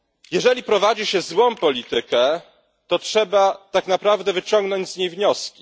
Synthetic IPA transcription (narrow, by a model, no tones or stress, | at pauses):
jɛʐɛlʲipɾɔvad͡ʑiɕɛzwɔ̃mpɔlʲit̪ɘkɛ | t̪ɔtʂɛbat̪aknapɾavd̪ɛvɘt͡ɕɔŋɡnɔɲd͡ʑzɲejvɲɔskʲi̥